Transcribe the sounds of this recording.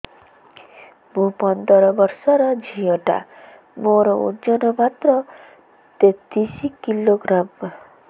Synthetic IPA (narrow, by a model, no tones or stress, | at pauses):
mũpɔnd̪ɔɾɔbɔɾsɔɾɔd͡ʒʱijɔʈa̰ | moɾɔṵd͡ʒɔnɔbat̪ɾɔ | t̪et̪isikiloɡɾam